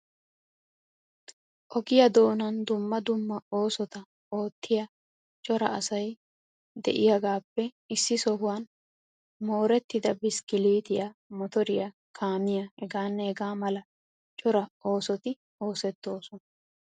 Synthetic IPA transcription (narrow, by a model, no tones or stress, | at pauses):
ʔɔɡɪjɐd̪o̞ːnɐnd̪ʊmːɐd̪ʊmːɐo̞ːsɔt̪ɐ | o̞ːt̪ʰːɪjɐ | t͡ʃʼɔɾɐ̰ɐsɐj | d̪ɛ̰ʔɪjɐɡaːpːɛ | ɪsːɪsɔɦʊwɐn | mo̞ːɾɛt̪ːɪd̪ɐbɪskɪliːt̪ɪjɐmɔt̪ɔɾɪjɐ | kʰaːmɪjɐhɛɡaːnːɛɛɡaːmɐlɐ | t͡ʃʼɔɾɐʔo̞ːsɔt̪ɪ | o̞ːsɛt̪ːo̞ːsɔnɐ